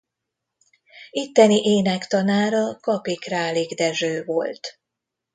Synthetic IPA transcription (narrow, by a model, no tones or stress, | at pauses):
it̪ːɛniʔeːnɛkt̪ɒnaːɾɒkɒpikraːliɡd̪ɛʒøːvo̞lt̪